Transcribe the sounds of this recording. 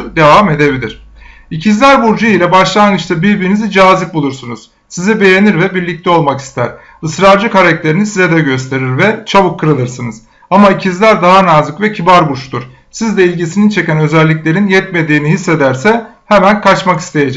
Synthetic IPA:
d̪e̞vame̞d̪e̞bilʲiɾ̥ | icʰizlʲæɾbuɾd͡ʒuilʲɛbaʃlˠanɡɯʃt̪abiɾbiɾinizid͡ʒaːzip̚bulˠuɾsunuz̥ | sizibe̞jeniɾvɛbiɾlʲic̚t̪ʰɛo̞lˠmaki̥st̪ʰæ̰ɾ̥ | ɯsɾaɾd͡ʒɯkaɾac̚t̪ʰe̞ɾinisizɛd̪ɛɟø̞st̪ʰe̞ɾiɾvɛt͡ʃʰaβɯkʰːɯɾɯlˠɯɾsɯnɯz̥ | amaicʰizlʲæɾd̪aɦanazɯkvɛcʰibaɾbuʃt̪uɾ̥ | sizd̪ɛilʲɟisinint͡ʃʰe̞cænø̞zælʲːiclʲe̞ɾinjɛt̪me̞d̪iːniɦisːe̞d̪æɾsɛ | hɛmænkʰat͡ʃmaki̥st̪ʰe̞jed͡ʒɛ

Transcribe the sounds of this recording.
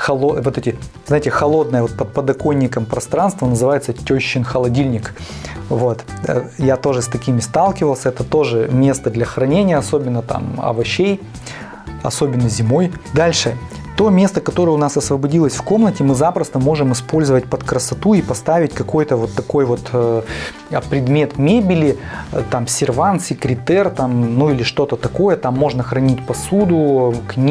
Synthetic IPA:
xɐlˠovo̞t̪ɛtʲɪzaɪtʲɪxɐlˠo̞d̪̚nəjəvo̞t̪̚pət̪̚pəd̪ɐko̞nʲːɪkəmpɾɐst̪ɾanst̪vənəzɨvajɪt̪sətʲoɕːɪnxəlˠɐdʲilʲnʲɪk | vo̞t̪jat̪o̞ʐɨst̪ɐkʲimʲɪst̪alˠkʲɪvəlˠsʲəɛt̪ət̪o̞ʐɨmʲe̞st̪əd̪lʲɐxɾɐnʲenʲɪjəɐso̞bʲɪnːət̪a̰mɐ̰vɐɕej | ɐ̰so̞bʲɪnːəzʲɪmo̞jd̪alʲʂɨ | t̪o̞mʲe̞st̪əkɐt̪o̞ɾəjəʊnasɐsvəbɐdʲilˠəsʲfko̞mnətʲɪmɨzapɾəst̪əmo̞ʐɨmɨspo̞lʲzəvətʲpət̪kɾəsɐt̪uipɐst̪avʲɪtʲkɐko̞jt̪əvo̞t̪ːɐko̞jvo̞t̪ː | pɾʲɪd̪mʲe̞t̪mʲebʲɪlʲɪt̪amsʲɪrvant̪sʲɪkɾʲɪt̪ɛrt̪amnuilʲɪʂt̪o̞t̪ət̪ɐko̞jət̪amːo̞ʐnəxɾɐnʲitʲpɐsud̪ʊknʲ

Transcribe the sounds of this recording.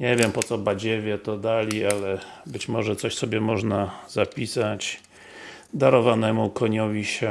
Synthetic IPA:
ɲaɲevʲjɛmpɔt̪sɔbad͡ʑɛvʲjɛt̪ɔd̪alʲialɛbɘt͡ɕmɔʐɛt̪sɔɕsɔbʲjɛmɔʐnaz̥apʲisat͡ɕ | d̪aɾɔvanɛmukɔɲɔvʲiɕɛ

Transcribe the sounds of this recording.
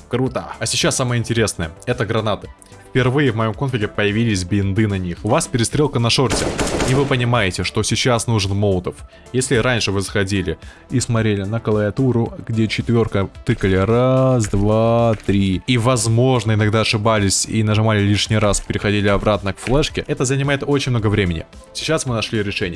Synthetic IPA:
kɾut̪əɐsʲɪt͡ɕːasːaməjəɪnʲtʲɪɾʲe̞snəjəɛt̪əɡɾɐnat̪ɨ̥ | fʲpʲɪrvɨjɪvmɐjo̞mkonfʲɪkʲɪpəjɪvʲilʲɪsʲbʲɪɪnd̪ɨnɐnʲixʊvaspʲɪɾʲɪst̪ɾʲe̞lˠkənɐʂo̞rtʲɪivɨpənʲɪmajɪtʲɪʂt̪o̞sʲɪt͡ɕasnuʐɨnmo̞lˠt̪əf | jesʲlʲɪɾanʲʂɨvɨzəxɐdʲilʲɪ | ismɐt̪ɾʲelʲɪnəkəlˠəvʲɐt̪uɾʊɡdʲe̞t͡ɕɪt̪vʲo̞rkət̪ɨkəlʲɪɾasd̪vat̪ɾʲiivɐzmo̞ʐnəɪnɐɡd̪aɐʂɨbalʲɪsʲḭnəʐɨmalʲɪlʲiʂnʲɪjɾaspʲɪɾʲɪxɐdʲilʲɪɐbɾat̪nəkflˠɛʂkʲɪʔɛt̪əzənʲɪmajɪt̪o̞t͡ɕɪnʲmnoɡəvɾʲemʲɪnʲɪ̰ | sʲɪt͡ɕːasmɨnɐʂlʲiɾʲɪʂɛnʲɪj

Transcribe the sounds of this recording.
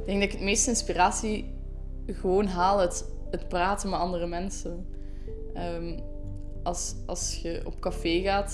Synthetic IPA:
ɪɡdɛŋɡdɑɪkətmeːstəɪnspiraːsi | ɣəʋoːnɦaːlˠɦət | ɦətpraːtənmɛtɑndərəmɛnsən | əːm | ʔɑlˠs | ɑ̰lˠsxəʔɔ̰p̚kafeːɣaːt

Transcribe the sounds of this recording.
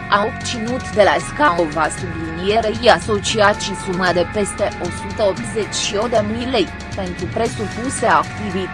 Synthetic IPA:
aopt̪sinut̪d̪elaskaovasublinijeɾeiaso̞t͡ʃiat̪ʃisumad̪e̞pe̞st̪e̞ʔo̞sut̪əopt̪zet͡ʃʲʃiod̪emilej | pe̞nt̪ɾupɾe̞supuseakt̪ivi

